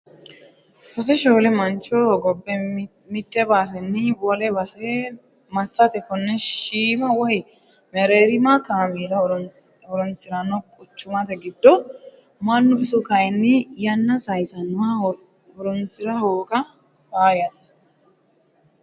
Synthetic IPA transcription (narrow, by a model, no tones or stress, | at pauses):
sɐs̬ɛʃoːlɛmɐnt͡ʃːɔɡɔbːɛ | mɪt̪ːɛbaːs̬ɛnːɪbɔlɛbɐsɛ | mɐsːɐt̪ɛkɔnːɛʃiːmɐwɔhɪ | mɛɾeːɾɪmakaːmiːɾɐhɔɾɔnsɪɾɐnːɔkʼʊt͡ʃːʊmɐt̪ɛɡɪd̪ːɔ | mɐnːʊɪsɔkɐjɛnːɪjɐnːɐsɐjsɐnʊwɐ | hɔɾɔnsɪɾɐhoːkʼɐ | faːjɐt̪ɐ̥